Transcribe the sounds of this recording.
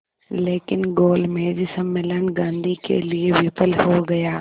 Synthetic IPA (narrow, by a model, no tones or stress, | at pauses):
leːkɪnɡoːlmẽd͡ʒɪsəmːɪlənɡãːnd̪ʱikḛlieʋɪpəlɦoɡɐjaː